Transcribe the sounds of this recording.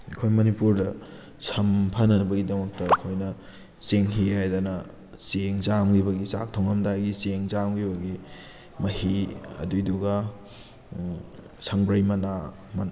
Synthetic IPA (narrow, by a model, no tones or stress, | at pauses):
ɐkʰojmɐnipuɾdɐ | sɐmpʰɐnɐbɐɡidɐmɐk̚tɐːkʰojnɐ | seŋɦiɦajdanɐ | seŋzamɡibɐɡisak̚tʰoŋɐmdaɡiseŋzamɡibɐɡi | mɐhiɐ̰duduɡa | sʰɐŋbɾɐjmɐna | mɐn